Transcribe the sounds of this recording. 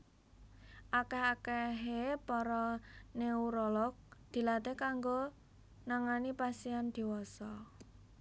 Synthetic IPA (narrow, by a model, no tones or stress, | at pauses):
ʔakɛhakɛɦepɔɾɔneuɾɔlɔk̚d̪̥i̤lat̪ekaŋɡo | naŋanipasiand̪̥i̤wɔsɔ